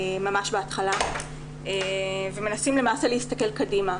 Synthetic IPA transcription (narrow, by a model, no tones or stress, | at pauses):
mamaʃbeat̪χala | eve̞me̞nasimlemaːseleist̪ɐke̞lkadima